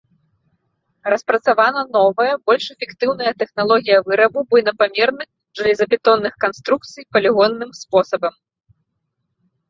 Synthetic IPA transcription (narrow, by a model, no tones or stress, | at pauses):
rɐspɾɐt̪savanɐnɔvɐjɐbɔlʲʂɛfʲɛkt̪ɨwnɐjɐt̪ɛxnalˠɔɣʲijɐvɨɾɐbubɔjnɐpamʲɛrnɨx | ʐɨlʲizɐpʲɛt̪ɔnːɨxkanst̪ɾuk̚t̪sɨjpɐlʲiɣɔnːɨmspɔsɐbɐm